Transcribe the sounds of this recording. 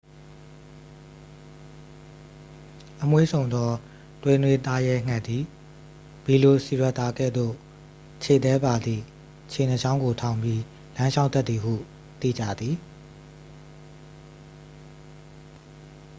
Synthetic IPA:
ʔəmwḛ˦˨sʰõ˨ʊ̃nd̪ɔ˦ | t̪we˨nwe˨t̪a˦jɛ˦ŋ̥a˦˨ʔd̪i˨ | b̥i˨lo˨si˨wɛ˦ʔt̪a˦ɡɛ̰˦˨d̪o̰˦˨ | t͡ɕʰe˨t̪ɛ˦ba˨d̪ðḭ˨ | t͡ɕʰe˨n̥ə˨ʃã˦ʊ̃ŋɡo˨tʰã˨ʊ̃mbji˦ | lã˦ʃʰa˦ʊ̃t̪ɛ˦t̪ːði˨ɦṵ˦˨ | t̪ḭ˦˨d͡ʑä̰˦˨d̪ði˨

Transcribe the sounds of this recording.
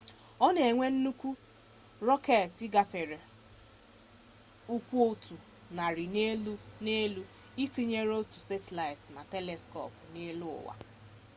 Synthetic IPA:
ɔ˦ne˨e˨ŋʷe˦n̩˦nu˦kʷu˦ | ɾɔ˦ke˨ɾtɪ˦ɡa˨fe˨ɾe˨ | u˦kʷu˦o˦tʰu˨ | na˨ɾi˨ne˦lu˦ne˦lu˦ | i˦ti˦ɲe˦ɾo˦tu˨se˦te˨la˨ɪ˨tna˨te˦le˨skɔ̰˨pʊ˨ne˦lu˦ʊ̰˨wa̰˨

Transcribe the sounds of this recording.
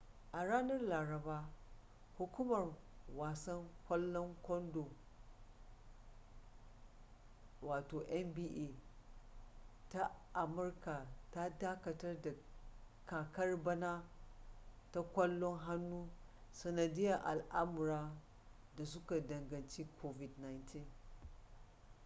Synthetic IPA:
ʔa˨ɽaː˦nɐ˦rlaː˨ɾɐ˨baː˦ | hʊ˨kʷʊ˦mɐ˨r | waː˨sɐ˦ŋkʷɐ˦lːɔ˦ŋkʷɔ˦ndo˨ | waː˨toː˨ʔɛ˦mbiː˦ʔe˨ | ta˦ʔa˨mʊ˦rka˨ta˦daː˦kɐ˨tɐ˦rda˨ | kaː˨kɐ˦rbɐ˦na˦ | ta˦kʷɐ˦lːɔ˦ŋɦa˦nːuː˦sɐ˨nɐ˨dɪ˦jɐ˨ʔa̰˨lʔa˦mʊ˨ɾaː˦ | da˨s̬ʊ˦ka˨dɐ˨ŋɡɐ˨nt͡ʃi˦kʷʰo˦vɪ˨dna˨jntʰi˦n

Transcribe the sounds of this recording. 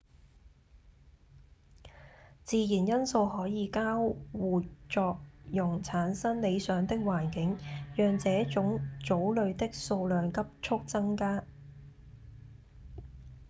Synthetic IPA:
t͡siː˨˧jiː˨˩njɐ˥nso˧whɔː˨˥jiː˨˧kaː˥wwuː˨˩t͡ʃɔː˧k̚jʊ˨˩ŋt͡sʰaː˨˥nsɐ˥nle˨˧jsœː˨˥ŋt̪ɪ˥k̚waː˨˩nkɪ˨˥ŋjœː˨ŋt͡sɛː˨˥t͡sʊ˨˥ŋt͡so˨˥wlɵ˨˧ɥt̪ɪ˥k̚so˧wlœː˨ŋkɐ˥p̚t͡ʃʰʊ˥k̚t͡sɐ˥ŋkaː˥

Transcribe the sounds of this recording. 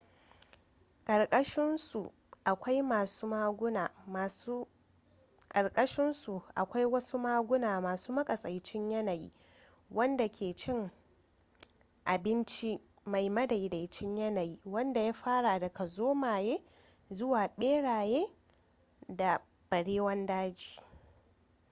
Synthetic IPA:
kʼɐ˨ɽkʼɐ˦ʃɪ˦nsu˨ | ʔa˨kʷa˦jmaː˨suː˦maː˦ɡʷʊ˦naː˨ma˨su˦ | kʼɐ˨ɽkʼɐ˦ʃɪ˦nsu˨ʔa̰˨kʷa˦jwɐ˦su˦maː˦ɡʷʊ˦naː˨maː˨suː˦mɐ˦kʼɐ˨sʼɐ˨jt͡ʃɪ˦ɲjɐ˦na˨jḭː˦ | wɐ˦nda˨kʲʰeː˨t͡ʃɪ˦ŋ | ʔa˨bɪ˦nt͡ʃi˦ | ma˨jmɐ˦da˨jda˨jt͡ʃɪ˦ɲjɐ˦na˨ji˦wɐ˦nda˨jaː˦ɸaː˦ɽa˨dɐ˨kʰa˨zoː˦maː˨jeː˦ | zʊ˦waː˨ɓeː˦ɽaː˨jeː˦ | da˨ | b̥ɐ˨ɽeː˦wɐ˦ndaː˦d͡ʒi̥ː˨

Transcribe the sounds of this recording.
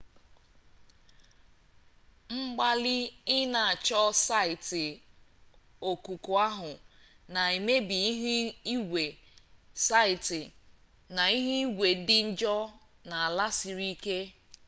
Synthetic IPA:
ŋ͡m̩˦ɡ͡ba˦lɪ˦ɪ˦na˨a˨t͡ʃɔ˦sa˦ɪ˨tɪ˨ | o˨ku˨kʊ˨a˦ɦʊ˨ | na˨i˨me˦bi˨i˦ɦi˦ɡʷe˨ | sa˦ɪ˨tɪ˨ | na˨i˦ɦi˦i˦ɡʷe˨dɪ˦n̩˦d͡ʒɔ˦ | na˨a˨la˦si˨ɾi˦ke˦

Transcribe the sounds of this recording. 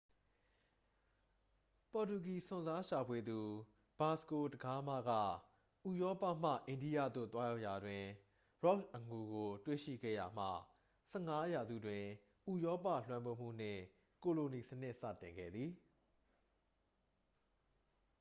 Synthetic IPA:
pɔ˨tu˨ki˨sʊ̃˨nza˦ʃa˨pʰwe˨d̪u˨ | b̥a˨sko˨təɡa˦ma̰˦˨ɡä̰˦˨ | ʔu˨jɔ˦pa̰˦˨m̥ä̰˦˨ʔẽ˨ndi˦jä̰˦˨d̪o̰˦˨t̪wa˦ja˦ʊʔja˨dwɪ̃˨ | ɹɔ˦kʔə˨ŋu˨ɡo˨twḛ˦˨ʃḭ˦˨ɡɛ̰˦˨ja˨m̥ä̰˦˨ | sɛ˦˨ŋa˦ja˨zṵ˦˨dwɪ̃˨ | ʔu˦˨jɔ˦pä̰˦˨l̥wã˦mbo˦˨m̥ṵ˦˨n̥ɪ̰̃˦˨ | ko˨lo˨ni˨sən̥ɪ˦ʔsä̰˦˨tɪ̃˨ŋɡɛ̰˦˨d̪ði˨

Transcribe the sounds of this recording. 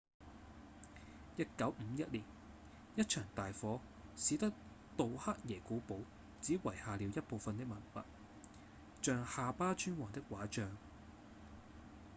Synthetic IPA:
jɐ˥t̚kɐ˨˥wm̩˨˧jɐ˥t̚liː˨˩n | jɐ˥t̚t͡ʃʰœː˨˩ŋt̪aː˨jfɔː˨˥ | siː˨˧˥t̪ɐ˥k̚ | t̪o˨wha˥k̚jɛː˨˩kuː˨˥po˨˥w | t͡siː˨˥wɐ˨˩jhaː˨liː˨˧wjɐ˥t̚po˨wfɐ˨nt̪ɪ˥k̚mɐ˨˩nfɐ̰˨t̚ | t͡ʃœː˧ŋhaː˨paː˥t͡ʃyː˥nwɔː˨˩ŋt̪ɪ˥k̚waː˨˥t͡ʃœː˧ŋ

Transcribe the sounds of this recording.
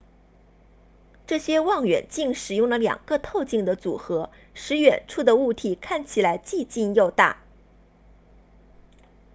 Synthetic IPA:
ʈ͡ʂɤ˥˩ɕjɛ˥wɑ˥˩ŋɥɛ̰˨˩nt͡ɕi˥˩ŋʂɻ̩˨˩jʊ˥˩ŋlə˩ljɑ̰˨˩ŋɡ̥ə˧t̪ʰo˥˧ʊt͡ɕi˥˩ŋd̪ə˩t͡sṵ˨˩xɤ˧˥ | ʂɻ̩˧˥ɥɛ˨˩nʈ͡ʂʰu˥˩d̪ə˩u˥˩t̪ʰi˨˩kʰa˥˩nt͡ɕʰi˨˩la˧˥ɪt͡ɕi˥˧t͡ɕi˥˧njo˥˧ʊt̪a̰˥˩

